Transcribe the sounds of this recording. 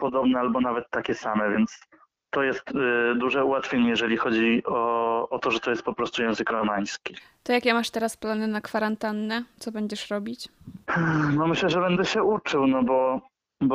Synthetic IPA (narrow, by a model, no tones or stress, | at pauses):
pɔd̪ɔbnɛalbɔnavɛt̪ːakʲɛsamɛvjɛnt̪s | t̪ːɔjɛst̪d̪uʐɛuwat̪fʲjeɲɛjɛʐɛlʲixɔd͡ʑiɔɔt̪ɔʐɛt̪ɔjɛst̪̚pɔpɾɔst̪ujɛ̃w̃zɘkɾɔmaj̃skʲit̪ɔjakʲɛmaʂt̪ɛɾasplanɘnakfaɾant̪anːɛt̪sɔbɛɲd͡ʑɛʂɾɔbʲit͡ɕ | nɔmɘɕlɛʐɛbɛnd̪ɛɕɛut͡ʂɘwnɔbɔ | b